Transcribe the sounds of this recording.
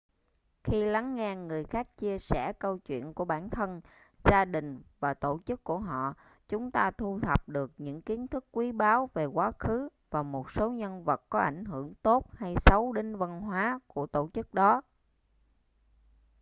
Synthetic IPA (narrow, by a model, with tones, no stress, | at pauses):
xi˧la˨˦ŋːɛ˧ŋɨ˨˩əjxaː˦˥k̚t͡ɕi˧əsɛ˧˩kə˧wt͡ɕwḭ˧˨ənku˧˩əɓaː˧˩nt̪ʰə˧n | zaː˧ɗï˨˩ŋ̟vaː˨˩t̪o˧˩t͡ɕɨ˦˥kːu˧˩əɦɔ̰˧˨ | t͡ɕʊ˨˦ŋ͡mt̪aː˧t̪ʰu˧t̪ʰə˨˩p̚ɗɨ˨˩ək̚ɲɨ̰˧˥ŋki˨˦ənt̪ʰɨ˦˥kːwi˨˦ɓaː˨˦wve˨˩kwaː˨˦xɨ˨˦vaː˨˩mo˨˩t̚so˨˦ɲə˧nvə˨˩t̚kɔ˨˦ʔa̰˧˩jŋ̟ɦɨ˧˩əŋt̪o˦˥t̚ha˧jsə˨˦wɗi˨˦ŋvə˧nɦwaː˨˦ku˧˩ət̪o˧˩t͡ɕɨ˦˥k̚ɗɔ˨˦